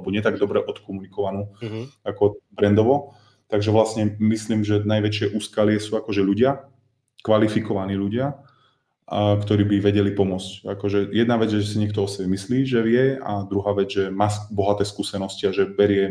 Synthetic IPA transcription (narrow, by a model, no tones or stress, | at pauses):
bɔɲɪɛt̪aɡ̚d̪ɔbɾɛʔɔt̪kɔmunikɔʋanuːakɔbɾɛnd̪ɔʋɔ | t̪aɡʒɛʋlasɲɛmisliːmʒɛnajʋɛt͡ʃɪɛʔuːskalɪɛsuːakɔʒɛʎuɟɪa | kʋalifikɔʋaniːʎuɟɪa | kt̪ɔɾiːbiʋɛɟɛlipɔmʊɔt͡sca̰kɔʒɛjɛd̪naʋɛd͡zjɛʒɛsiɲɪɛkt̪ɔɔsɛbɛmisliːʒɛʋɪɛa̰d̪ɾuɦaːʋɛd͡zʒɛmaːsbɔɦat̪ɛːskuːsɛnɔsciaʒɛbɛɾɪɛ